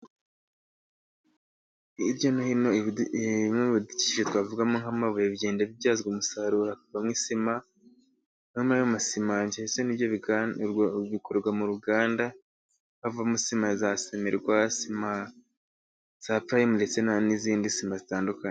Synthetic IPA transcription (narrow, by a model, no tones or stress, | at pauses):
iɾjonohino | meβudici̥iʃetwaːvuɡamoŋhamaβujeβiɟe̞ːndeβivjaːzɡumusaɾuhakuvamŋisima | nomajomasimaɲt͡ʃaisenibjoβ | βikoɾɾɡwamuɾuɡaːnda | ŋhavamusimazasemeɾɡwasima | z̥apɾajimuɾet͡senaniziːndisimazitaːndukaɲe